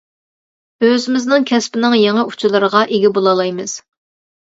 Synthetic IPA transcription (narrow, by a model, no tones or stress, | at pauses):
øzɪmɪznɪŋkʲʰɛspɪnɪŋjeŋɨu̥t͡ʃʰulˠɨɾəʁɑʔeɡʲibolˠɑlˠɑjmɨz̥